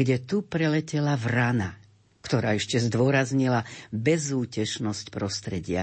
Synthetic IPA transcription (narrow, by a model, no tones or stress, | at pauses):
ɡɟɛt̪upɾɛlɛcɛlavɾana | kt̪ɔɾaːɛʃcɛzd̪ʊɔɾazɲilabɛzuːcɛt͡ʃnɔscpɾɔst̪ɾɛɟɪa̰